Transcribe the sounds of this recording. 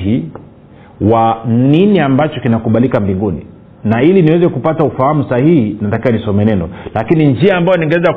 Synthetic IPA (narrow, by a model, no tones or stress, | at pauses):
i | waniniambat͡ʃɔkinakuɓalikambiŋɡunḭ | nailiniwɛzɛkupataufahamusahihinnatakiwanisɔmɛnɛnɔ̰lakinind͡ʒiaːmbajɔniŋɡɛwɛza